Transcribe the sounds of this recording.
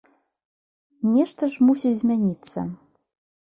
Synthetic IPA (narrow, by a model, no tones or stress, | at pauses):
nʲeʃt̪ə̆ʒmusʲizʲmʲenʲit͡sːə̰